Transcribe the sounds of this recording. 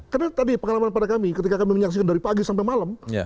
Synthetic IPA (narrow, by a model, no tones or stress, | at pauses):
karnat̪adipəŋalamanpadakamikət̪ikakamiməɲaks̬ikandaɾipaɡisampemaləma̰